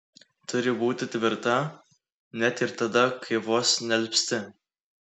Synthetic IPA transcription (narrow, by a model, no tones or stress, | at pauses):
t̪ʊɾʲɪbuːt̪ʲɪt̪ʲʋʲɪɾt̪ɐ | nʲɛt̪ɪɾt̪ɐd̪ɐkʰɐɪʋoːsnʲɛlʲpʲsʲt̪ʲɪ